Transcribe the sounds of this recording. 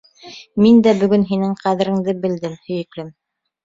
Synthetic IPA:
mind̪æbɵ̆ɡɵnɦinɘŋqæðɘ̆ɾɘ̆ŋd̪ɘbɘ̆ld̪ɘmhɵ̆jɘ̆klɘm

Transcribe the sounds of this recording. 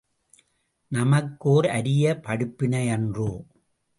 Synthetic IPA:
nɐmɐkːoːɾɐɾɪjɐpɐɽɯpːɪnɐɛndru

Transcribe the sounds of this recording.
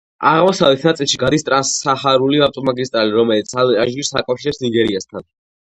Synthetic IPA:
aʁmɔsavlɛt̪ʰnat̪sʼilˠʃiɡad̪ist̪ʼɾasaχaɾuliaft̪ʼɔmaɡist̪ʼɾaliɾɔmɛlit̪sʰalaʒiisakʼafʃiɾɛpsniɡɛɾiast̪ʰan

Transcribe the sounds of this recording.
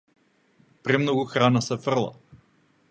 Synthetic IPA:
pɾɛmnoɡuxɾanasɛfr̩lˠa̰

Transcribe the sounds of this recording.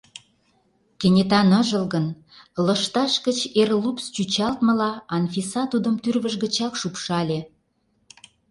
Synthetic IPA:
kĕnʲet̪ɑnə̆ʒə̆lɣən | lə̆ʃt̪ɑʃkət͡ɕerlupst͡ɕyt͡ɕɑlt̪mə̆lɑɑnfisɑt̪ud̪ə̆mt̪yrβə̆ʒɡə̆t͡ɕɑkʃupʃɑlʲe

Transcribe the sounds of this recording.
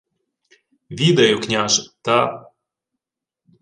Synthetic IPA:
vʲid̪ɐjuknʲaʒt̪a

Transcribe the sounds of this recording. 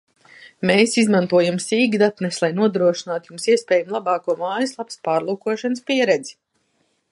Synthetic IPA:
meːsizmant̪uɔjamsiːɡid̪at̪nɛslˠajnuɔd̪ɾuɔʃinaːt̪jumsiɛspɛːjamlˠabɑːkuɔmaːjɨslˠapspaːɾlˠuːkuɔʃanɨspiɛɾɛd̪zi̥

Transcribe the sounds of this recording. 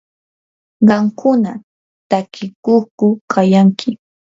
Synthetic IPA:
ɢɑmkʰʊna | t̪akɪkoχkʊkʰajaŋkʰɪ

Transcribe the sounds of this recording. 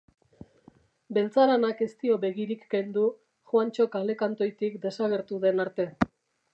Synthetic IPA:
be̞lt͡saɾanake̞st̪io̞βe̞ɣiɾikːe̞nd̪u | xwant͡ʃo̞kale̞kant̪o̞jt̪ikd̪e̞saɣ̞e̞ɾt̪uðe̞naɾt̪e̞

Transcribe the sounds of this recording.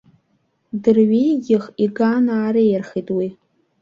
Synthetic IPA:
dɨrɥijɡʲɪχiɡanaːɾejrχijtʼwi

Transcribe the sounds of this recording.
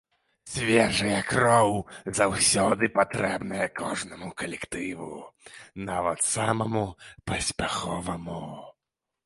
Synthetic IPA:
sʲvʲɛʐɐjɐkɾɔwzawsʲɔd̪ɨpat̪ɾɛbnɐjɐkʰɔʐnɐmukɐlʲɛkt̪ɨvṵnavɐt̪samɐmupɐsʲpʲaxɔvɐmu

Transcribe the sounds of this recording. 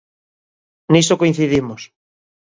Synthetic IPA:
nisokoin̟θiðimos

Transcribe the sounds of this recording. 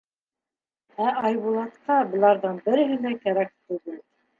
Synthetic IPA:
æʔɑjβulˠɑt̪qɑbɤ̆lˠɑɾðɤɴbɘ̆ɾɘ̆ɦɘ̆lækæɾæk̚t̪ɵðɘl

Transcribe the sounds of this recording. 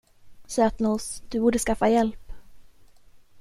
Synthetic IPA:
sœt̪nʊsd̪̥ɵbuːɖəskafːajɛlp

